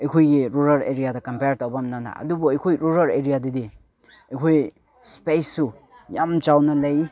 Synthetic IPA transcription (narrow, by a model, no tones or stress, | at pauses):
ejkʰojɡiɾuɾaɾeɾijadɐkɐmpeɾtawbamnana̰ɐ̰dubɔejkʰojɾuɾɐɾeɾijadidi | ekʰoj | spesu | jamt͡ʃawnɐlaj